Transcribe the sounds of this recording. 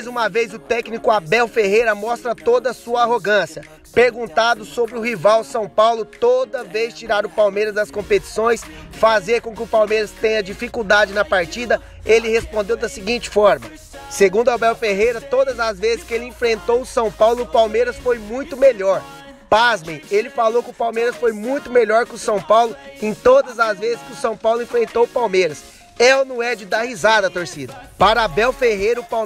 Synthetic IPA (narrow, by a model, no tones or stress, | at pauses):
jzũmɐvejzʊt̪ɛknikʊabɛwfeɦejɾɐmɔst̪ɾɐt̪od̪ɐsuɐaɦoɡɐ̃siɐ | peɾɡũnt̪ad̪ʊsobɾɪʊɦivawsɐ̃w̃pawlʊt̪od̪ɐvejst͡ʃiɾaɾʊpawmejɾɐzɐskõpet͡ʃi̥sõj̃sfazeɾkõkɪʊpawmejɾɐst̪ẽj̃ɲɐd͡ʒifikud̪ad͡ʒɪnɐpaɾt͡ʃid̪ɐ | elɪhespõnd̪ewd̪ɐsiɡĩnt͡ʃɪ̥fɔɾmɐ | seɡũnd̪ʊɐbɛwfeɦejɾɐt̪od̪ɐzɐzvezɪskɪelɪẽfɾẽnt̪owʊsɐ̃w̃pawlʊːʊpawmeɾɐsfojmũj̃t̪ʊmeʎɔɾ | pazmẽj̃elɪfalowkɪʊpawmeɾɐsfojmũj̃t̪ʊmeʎɔɾkɪʊsɐ̃w̃pawlʊẽt̪od̪ɐzɐzvezɪskɪʊsɐ̃w̃pawlʊẽfɾẽnt̪owʊpawmejɾɐs | ɛwnũɛd͡ʒɪd̪ahizad̪ɐːt̪oɾsid̪ɐpaɾɐbɛwfeɦejɾɐʊpa